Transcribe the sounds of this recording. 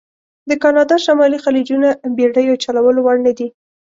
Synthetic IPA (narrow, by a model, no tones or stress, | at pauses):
d̪əkɑnɑd̪ɑʃamɑlixalid͡ʒunabeɽəjot͡ʃalawəlowaɽnad̪i